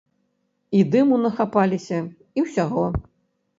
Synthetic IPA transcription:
id̪ɨmunɐxapalʲisʲɐ | iwsʲaɣɔ

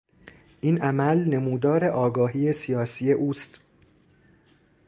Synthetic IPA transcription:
ʔinʔæmælne̞muːd̪ɒːɾe̞ʔɒːɡɒːɦiːesijɒːsije̞ʔuːst̪

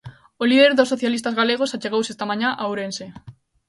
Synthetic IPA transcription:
oliðeɾðosoθjalist̪azɣaleɣ̞osat͡ʃeɣowsest̪amãɲaʔawɾense

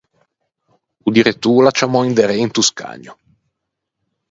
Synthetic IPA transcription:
ud̪iɾet̪ulat͡ʃamɔind̪eɾeint̪uska̰ːɲo

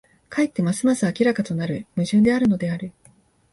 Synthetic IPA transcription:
kʰait̪ːe̞masɨmasɨakʲiɾakat̪o̞naɾɯ̟mɯ̟ʑɨ̃nd̪e̞aɾɯ̟no̞d̪e̞aɾɯ̟

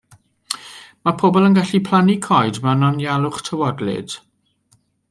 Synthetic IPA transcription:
mapʰoːbɔlˠənɡaɬipʰl̥ˠanikʰɔjdmanɔnjalˠʊχtʰəwɔdlɪ̰d̥

